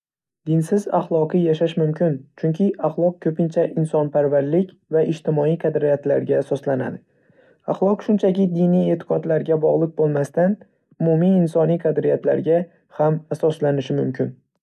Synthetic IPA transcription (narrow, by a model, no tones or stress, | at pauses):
d̪ɪnsɪza̰χlˠɒqʰɨjaʃaʃmʊmkʲʰɪnt͡ʃʰʊŋkʲʰɪaχlˠɒq̚kʰɵpɪnt͡ʃʰaʔɪnsɒnpʰaɾvaɾlɪkʲ | vaʔɪʃt̪ʰɪmɒijqʰɑd̪ɾɪjat̪laɾɡʲaːsɒslana̰d̪ɪ | aχlˠɒqʃʊnt͡ʃʰakʲɪd̪ɪnije̞t̪ʰɪ̥qʰɒt̪laɾɡʲabɒʁlˠɨq̚bolˠmast̪an | ʊmumiɪnsɒnijqʰɑd̪ɾɪjat̪la̰ɾɡʲa | hamasɒslanɪʃɪmʊmkʲʰɪn